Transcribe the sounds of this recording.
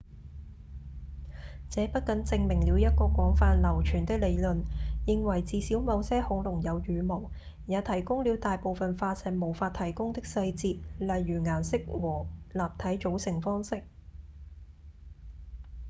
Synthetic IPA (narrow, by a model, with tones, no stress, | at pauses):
t͡sɛː˨˧˥pɐ˥t̚kɐ˨˥nt͡sɪ˧ŋmɪ˨˩ŋliː˨˧wjɐ˥t̚kɔː˧kʷɔː˨˥ŋfaː˧nlɐ˨˩wt͡ʃʰyː˨˩nt̪ɪ˥k̚le˨˧jlɵ˨njɪ˨ŋwɐ˨˩jt͡siː˨˧siː˨˥wmɐ˨˧wsɛː˥hʊ˨˧˥ŋlʊ˨˩ŋjɐ˨˧wjyː˨˧mo˨˩w | jaː˨˧t̪ʰɐ˨˩jkʊ˥ŋliː˨˧wt̪aː˨jpo˨wfɐ˨nfaː˧sɛː˨mo˨˩wfaː˧t̪ʰɐ˨˩jkʊ˥ŋt̪ɪ˥k̚sɐ˧jt͡siː˧t̚lɐ˨jːyː˨˩ŋaː˨˩nsɪ˥k̚wɔː˨˩laː˨p̚t̪ʰɐ˨˥jt͡ʃo˨˥wsɪ˨˩ŋfɔː˥ŋsɪ˥k̚